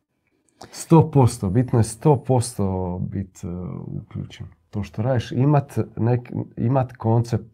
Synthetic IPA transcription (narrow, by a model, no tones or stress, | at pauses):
st̪oːpo̞st̪obit̪nojest̪oːpo̞st̪obit̪ṵkʎṵt͡ʃen | t̪oːʃt̪oɾaːd̪iʃimat̪nekḭmat̪ko̞nt̪sep̚t̪